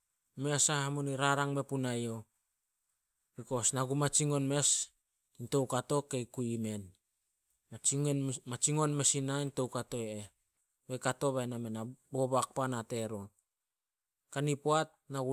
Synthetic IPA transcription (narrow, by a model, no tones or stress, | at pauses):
me̞asahamuniɾaɾaŋme̞punajo̞ | biko̞snaɡumat͡ʃiŋo̞nme̞s | into̞wkato̞kejkuime̞n | mamat͡ʃiŋo̞nme̞sinainto̞wkato̞e | bekato̞βajnamenabo̞βak̚panate̞ɾo | kanipoat̚ | naɡu